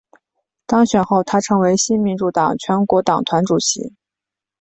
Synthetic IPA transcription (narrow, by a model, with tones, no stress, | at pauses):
t̪ɑ˥ŋɕɥɛ˨˩nxo˥˩ʊt̪ʰa˥ʈ͡ʂʰɤ˧˥ŋwe˧˥ɪɕi˥nmi˧˥nʈ͡ʂu˥˩t̪ɑ˨˩ŋt͡ɕʰɥɛ˧˥nkwɔ˧˥t̪ɑ˨˩ŋt̪ʰwa˧˥nʈ͡ʂu˨˩ɕḭ˧˥